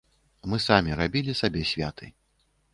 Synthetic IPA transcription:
mɨsamʲiɾabʲilʲisabʲɛsʲvʲat̪ʰɨ

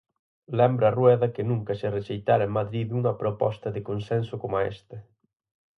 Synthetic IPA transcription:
lɛmbɾɐːrwɛðɐkɪnũŋkɐsɪreʃejt̪aɾɐemaðɾiðuŋɐpɾopɔst̪ɐðɪkonsɛnsʊkomaɛ̰st̪ɐ

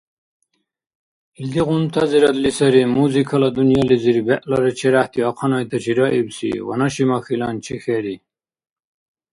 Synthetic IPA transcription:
ild̪iʁunt̪ʰɐziɾɐt̪lisɐɾimuzikʰɐlɐd̪unjɑliziɾibɛʔlɐɾet͡ʃʰeɾaht̪iɑqʰɑnɑjt̪ɐt͡ɕʰiɾɑʔibsḭwɐ̰nɐɕimɑxilɑnt͡ʃʰixeɾi

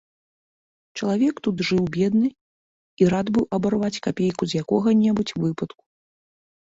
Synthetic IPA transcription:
t͡ʂɐlˠavʲɛkt̪ut̪ʐɨwbʲɛd̪nɨ | iɾad̪bɨwɐbarvat͡sʲkapʲejkuzʲjakɔɣɐnʲɛbut͡sʲvɨpɐt̪ku̥

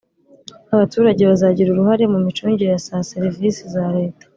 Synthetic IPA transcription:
aβatuːɾaɟe̞βazaɟiɾuɾuhaɾe̞mumit͡ʃuːɲɟiɾejasase̞ɾivisizaɾe̞ːtḁ

